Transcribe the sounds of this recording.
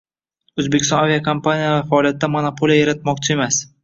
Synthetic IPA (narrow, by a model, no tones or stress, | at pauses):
ɵzbekʲɪst̪ɒ̃navʲijakʰampanijavafaːlijat̪ːamonapʰolˠijajaɾat̪̚mɒk̚ʲt͡ʃʰɪemas